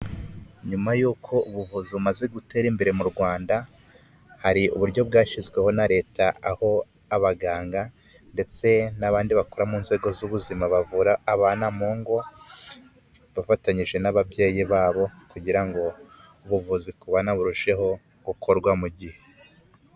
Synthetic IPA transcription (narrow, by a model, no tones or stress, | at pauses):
ɲumajuːkʰo̞uβuvuziβumaze̞ɡute̞ːɾimbe̞ɾe̞muɾɡwaːnda | haɾiṵβuɾɟo̞bɡaːʃizɡwe̞honaɾe̞ːtaʔaho̞ | aβaɡaːŋɡa | nde̞t͡se̞naβaːndiβakoɾamuːnze̞ɡo̞zuβuzimaβavuɾaːβaːnamoːŋɡo̞ | βafataɲiʒe̞naβabje̞ːjiβaːβo̞kuɟiɾaŋɡo̞ | uβuvuzikuβanaβuɾuʃe̞ho̞ | ɡ̥ukʰo̞ɾɡwamuɟihe